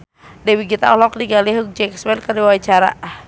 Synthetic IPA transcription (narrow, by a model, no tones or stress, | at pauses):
dɛwiɡit̪a̰ɔlɔk̚diɡaliɦuk̚d͡ʒɛkswɛlkəriwait͡ʃaɾa̰